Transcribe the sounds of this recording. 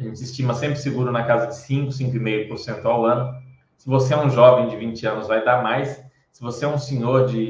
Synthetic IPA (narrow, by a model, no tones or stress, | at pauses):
ɐʒẽt͡ʃɪɪst͡ʃĩmɐsẽmpɾɪsɪɡuɾʊnɐkazɐd͡ʒɪsĩŋkʊsĩŋkʊimejʊpoɾsẽnt̪ʊawɐ̃nʊ | sɪvoseɛũʒɔvẽj̃d͡ʒɪvĩnt͡ʃɪɐ̃nʊzvajd̪aɾmajsː | ɪvoseɛũsẽɲoɾd͡ʒɪ